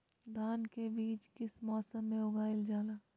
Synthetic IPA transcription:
d̪ʱaːnkebiːt͡ʃkɪsmɔːsəmːẽʊɡaːɪld͡ʒaːlaː

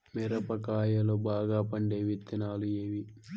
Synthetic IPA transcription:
miɾɐpɐkaːjɐlobaːɡaːpɐɳɖeːʋit̪ːinaːlujeːʋi

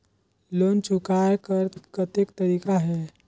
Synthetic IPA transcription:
lont͡ʃʰukajkəkət̪ekt̪əɾiːkaɦe

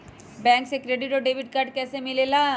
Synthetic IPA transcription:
bɛ̃ːŋksekɾeːɖɪʈɔːɖeːʋɪʈ̚kaɾɖ̚kɛːsemɪlelaː

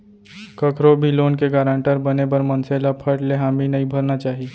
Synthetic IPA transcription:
kɐkʰɾobʱiloːnkeɡaːɾãːɳʈəɾbɐnebɐɾmɐnseːlapʰəʈleɦaːminɐĩbʱɐɾnat͡ʃaːɦi

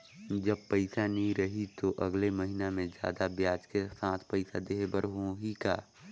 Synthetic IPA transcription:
d͡ʒəbpəɪsanĩɾəɦit̪oʔɐɡleməɦinamẽd͡ʒja̰ːd̪abjaːd͡ʒkesaːt̪ʰpəɪsad̪eːɦbəɾɦõɦikaː

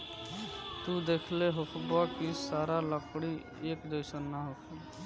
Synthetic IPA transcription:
t̪ud̪ekʰleɦokʰbakisaːɾaləpɽi | eːkd̪əɪsənːaɦokʰ

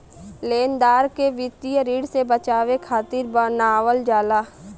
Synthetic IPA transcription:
leːnd̪aːɾkeʋɪt̪ijəɾiːɽsebət͡ʃaːʋekʰaːt̪ɪɾbənaːʋəld͡ʒaːlaː

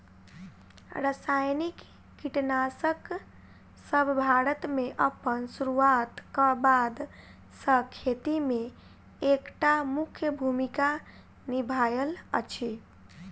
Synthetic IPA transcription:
ɾəsajnikː | iʈnasək | səbʱbʱaɾət̪meʔəpːənsuɾuat̪kəbad̪ | səkʰet̪ime | ekʈamukʰjəbʱumika | nibʱajələ̰t͡ʃʰi

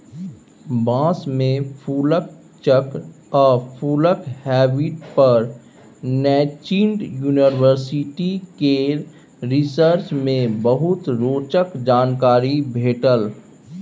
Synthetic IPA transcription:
bãːsmẽpʰuːlək̚ | t͡ʃək | ɔːɾpʰuːləkhɛːbiʈpəɾ | nɛːt͡ʃiːɳɖjuːniwəɾsɪʈike | ɾɪsəɾt͡ʃmẽbəɦʊt̪ɾoːt͡ʃəkd͡ʒaːnkaːɾibʱeːʈəl

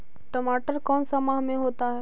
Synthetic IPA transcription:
ʈəmaːʈəɾkɔːnsɐmaɦmẽɦoːt̪aɦɛ

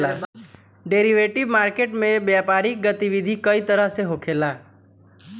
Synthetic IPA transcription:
a | ɖeːɾiʋeːʈiʋmaːɾkeʈmẽbjaːpaːɾik̚ɡət̪iʋid̪ʱikəit̪əɾəɦseɦokʰeːlaː

